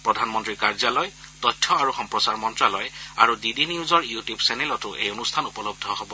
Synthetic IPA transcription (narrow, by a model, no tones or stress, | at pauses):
pɹɔdʱanmɔntɹikaɹzalɔjtɔtʰːɔaɹuxɔmpɹɔsaɹmɔntɹalɔja̰ɹudidiniuzɔɹjutjubsɛnɛlɔtʊʔḛjonustʰanupɔlɔb̚dʱɔhobɔ